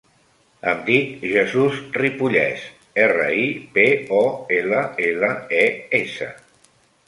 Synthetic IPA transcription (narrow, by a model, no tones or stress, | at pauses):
əmd̪ikʒəzuzripuʎɛ̰s | erə̰ipeɔeləeləeesə̰